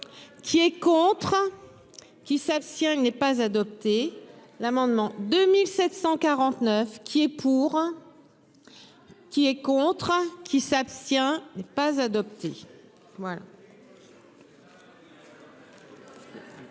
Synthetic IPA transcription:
kʲʰiɛkɔ̃t̪χ | kʲisapst̪jɛ̃nɛpazad̪ɔp̚t̪e | lamɑ̃d̪mɑ̃d̪ømilsɛt̪sɑ̃kaʁɑ̃t̪nœfkʲʰiɛpʰuʁ | kʲiɛkɔ̃t̪χkʲisapst̪jɛ̃nɛpazad̪ɔpt̪e | vwala̰

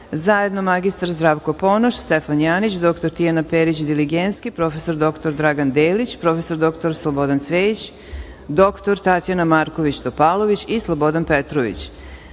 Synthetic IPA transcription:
zaje̞d̪no̞maɡist̪aɾzd̪ɾaːʋko̞po̞noʃst̪efanjaːnit͡ɕd̪o̞kt̪o̞ɾt̪ijanapeɾit͡ɕid̪iliɡent̪skipɾo̞fe̞so̞ɾd̪o̞kt̪oɾd̪ɾaɡand̪eːlit͡ɕpɾo̞fe̞so̞ɾd̪o̞kt̪oɾslˠobo̞d̪ansʋeːjit͡ɕ | d̪o̞kt̪oɾt̪at̪janamaɾkoʋit͡ɕst̪opalˠo̞ʋit͡ɕislˠobo̞d̪anpet̪ɾoʋḭt͡ɕ

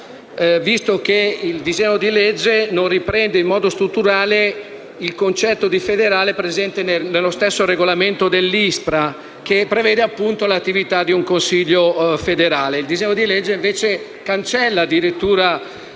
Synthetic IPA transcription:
vist̪okeild̪izɛɲːod̪ilɛd͡ʒːenonrːipɾɛnd̪eimːɔːd̪ost̪ɾut̪ːuɾaːle | ilkont͡ʃɛt̪ːod̪ifed̪eɾaːlepɾezɛnt̪enenelːost̪esːoɾeɡolament̪od̪elːispɾa | k̟epːɾevɛːd̪eapːunt̪olat̪ːivit̪ad̪iuŋkonsiʎːofed̪eɾaːleild̪izɛɲːod̪ilɛd͡ʒːeiɱveːt͡ʃe | kant͡ʃɛlːad̪iɾet̪ːuːɾa

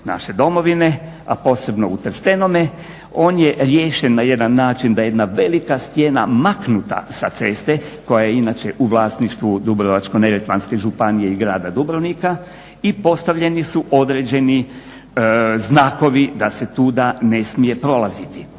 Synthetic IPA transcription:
na̰ʃe̞d̪o̞mo̞ʋine̞ | apo̞ːse̞bno̞ut̪ɾ̩st̪e̞no̞me | o̞ːnjeɾjeːʃenːaje̞d̪anːaːt͡ʃind̪ajed̪naʋe̞likast̪jena̰maknut̪a̰sat̪se̞st̪e̞ko̞jajeinat͡ʃe̞ʔuʋlˠaːsniʃt̪ʋud̪ubɾoʋat͡ʃko̞neɾet̪ʋanske̞ʒupanije̞iɡɾaːd̪ad̪ubɾonika | ipo̞st̪aʋʎe̞nisuʔo̞d̪ɾe̞ːd͡ʒe̞ni | znaːko̞ʋid̪ase̞t̪uːd̪ane̞smije̞pɾo̞lˠazit̪i

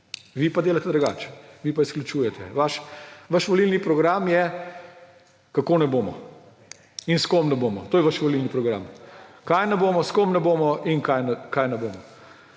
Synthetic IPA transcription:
ʋipad̪eːlat̪ɛd̪ɾuɡa̰ːt͡ʃɛ̥ʋipaisklʲut͡ʃuːjɛt̪ɛ̰ʋaʃʋaʃʋɔlilnipɾɔɡɾamjɛ | kakoːnɛboːmɔ̰ | inskomnɛboːmɔ̰t̪oːjɛʋaʃʋɔlilnipɾɔɡɾa̰mkajnɛboːmɔskomnɛboːmɔinkajnɛkajnɛboːmɔ

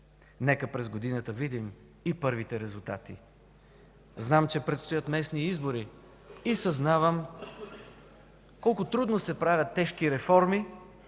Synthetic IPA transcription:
nɛkəpɾɛzɡod̪inət̪əvid̪im | ipɤɾvit̪ɛɾɛzulˠt̪a̰t̪ḭ | znamt͡ʃɛpɾɛt̪st̪ojət̪mɛsniizboɾi | isɐznavəm | kɔlˠkʊt̪ɾud̪nosɛpɾavʲjət̪ːɛʃkiɾɛfɔɾmi

